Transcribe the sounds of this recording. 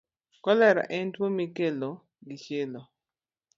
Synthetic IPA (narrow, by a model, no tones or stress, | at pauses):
kɔlɛɾa̰ʔɛntwomikelo | ɡɪʃelɔ